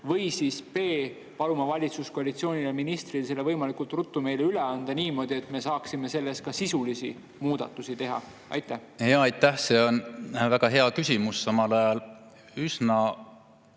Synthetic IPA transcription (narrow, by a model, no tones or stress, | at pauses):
vɤ̞jsispe̞ː | pɑlumɑvɑlʲit̪susko̞ɑlit̪sio̞ːnʲileminist̪rils̬e̞lːe̞vɤjmɑlikult̪rut̪ːume̞jleyle̞ɑnd̪̥ɑniːmo̞ːd̪̥ie̞t̪me̞sɑːksime̞se̞lːe̞s̚kɑsisulisi | muːd̪̥ɑ̰t̪ːˑusit̪e̞ɦɑ̰ | ʔɑ̰jt̪ːˑæhheɑːjt̪ːˑæhse̞onvæɡɑɦeɑkysʲimussɑmɑlɑjɑl | ysnɑ